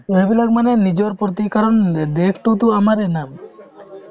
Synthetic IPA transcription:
ebilaɡ̚manɛnid͡ʒɔɾpɾɔt̪̬ikaɾɔnd̪ekʰʈ̪ut̪̬uamaɾɛnam

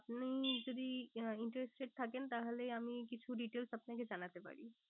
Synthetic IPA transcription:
apnid͡ʒod̪iiɳʈɾesʈʈeʈ̚t̪ʰakent̪aɦoleamikit͡ɕʰuɖiʈelsapnaked͡ʑanat̪epa̰ɽi

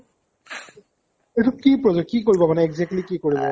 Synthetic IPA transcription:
etukipɹɔzokikoɹibɔmanɛɛɡzɛk̚tlikikoɹibɔ

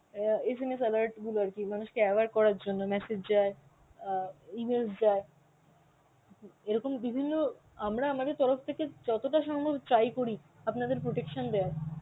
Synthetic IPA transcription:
es̬emes̬ɛlaɾʈɡuloaɾkimanuʃkeɛbaɾkɔɾaɾd͡ʑonːomɛsed͡ʑd͡ʑae | imels̬d͡ʑae | eɾɔkombibʱinːo | amɾaamad̪eɾt̪ɔɾoft̪ʰeked͡ʑɔt̪oʈaʃɔŋbʱabt̪ɾajkoɾi | apnad̪eɾpɾoʈekʃand̪ea

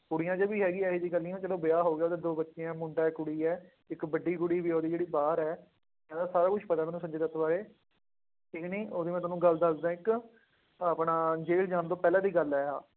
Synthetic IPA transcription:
kʊɽijãːd͡ʒəbiːɦɛːɡiːɛːiːd̪iːɡəlːĩːõːt͡ʃɛːloːbɪjaːɦoːɡejaoːt̪eːd̪oːbətːʃeãːmʊɳɖaːɛkʊɽiːɛː | ɪkbəɖiːɡʊɽiːʋiːoːd̪iːd͡ʒeːɽiːbaːɾɛː | ɪnãːd̪aːsaːɾaːkʊʃʰpət̪aːmɛːnũsə̃md͡ʒeːd̪ət̪ʰbaːɾeː | iknĩːoːd̪iːmɛ̃ːt̪ʊaːnũːɡəld̪əsd̪ãːɪk | aːpɳaːd͡ʒeːld͡ʒãːnd̪oːpɛːlãːd̪iːɡəlɛːaː

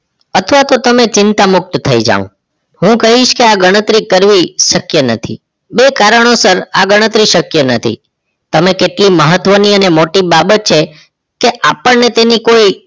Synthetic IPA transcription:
ət̪ʰʋat̪ot̪əmet͡ʃɪnt̪amʊk̚t̪t̪ʰəid͡ʒa̰ʋṵ̃ | ɦũkəɦiʃkeaɡəɽ̃ət̪ɾikəɾʋiʃəkjənət̪ʰḭ | bekaɾəɽ̃osəɾa̰ɡəɽ̃ət̪ɾiʃəkjənət̪ʰḭ | t̪əmekeʈliməɦət̪ʋəniənemoʈibabət̪̚t͡ʃʰe | keʔapəɳnet̪enikoi

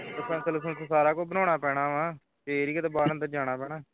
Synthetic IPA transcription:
t̪əsɛ̃ːsəls̬ə̃t̪osaːɾaːkoːbənɔ̃ːɽ̃aːpɛːɽ̃aːʋãː | t̪eɾiːkət̪eːbaːɾənd̪əɾd͡ʒaːɽ̃aːpɛːɳaː

